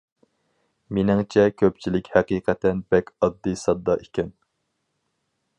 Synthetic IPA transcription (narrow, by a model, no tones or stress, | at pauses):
menɪŋt͡ʃʰɛkʲʰøp̚t͡ʃʰilɪkʲhæqiːqʰɛt̪ɛnbɛkʲɑd̪ːɨsɑd̪ːɑʔekʲɛn